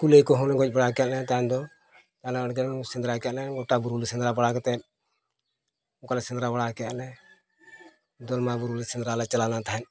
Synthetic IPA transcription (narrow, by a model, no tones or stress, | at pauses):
kulekɔɦɔ̃nɛɡɔc̚ˀbaɽakɛjaʔlɛt̪aɦɛnd̪ɔ | t̪anaəɽɡɛsɛnd̪ɾakɛjaʔnɛɡɔʈabuɾulisɛnd̪ɾabaɽakɛt̪ɛ | ɔ̃kalɛsɛnd̪ɾabaɽakɛjaʔlɛ | d̪ɔlmabuɾulisɛnd̪ɾalɛt͡ʃalanat̪aɦɛn